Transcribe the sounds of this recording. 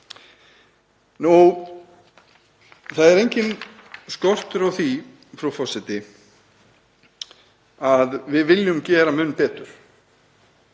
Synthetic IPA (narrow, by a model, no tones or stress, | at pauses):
nu | θaðɛɾejɲcɪnskɔr̥t̪ʏɾawθi | fɾawfɔsɪt̪ɪ | aðvɪðvɪljʏmcɛːɾamʏnːpɛːt̪ʏɾ̥